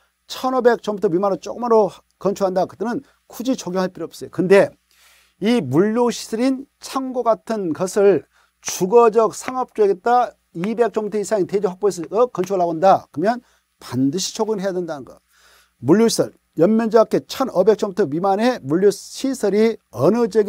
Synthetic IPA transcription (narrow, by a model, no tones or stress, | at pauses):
t͡ɕʰʌnʌbe̞k̚t͡ɕ͈ʌmbutʰʌɥimanɯɭt͡ɕ͈oɡɯmaɾo | kʌnt͡ɕʰuɦandakɯt͈ɯnɯn | kʰud͡ʑit͡ɕoɡjoŋɦaɭp͈iɾiʌp̚s͈ʌjokɯnde̞ | imuʎːoɕʰi̥sʰʌɾint͡ɕʰaŋɡoɡatʰɯnɡʌsʰɯɭ | t͡ɕuɡʌd͡ʑʌk̚sʰaŋʌp̚t͡ɕ͈oeɡet̚t͈a | ibe̞k̚t͡ɕ͈ʌmtʰɯisʰaŋited͡ʑoɸakp͈oes̬ʰʌkʌnt͡ɕʰuaɭːaɡondakɯmjʌn | pandɯɕʰi̥t͡ɕʰoɡɯnɯɭɦejadwendanɯnɡʌ | muɭjoɕʰi̥sʰʌɭ | jʌnmjʌnd͡ʑʌakʰe̞t͡ɕʰʌnʌbe̞k̚t͡ɕ͈ʌmtʰɯɥimane̞muɭːoɕʰisʰʌɾiʌnɯd͡ʑeɡ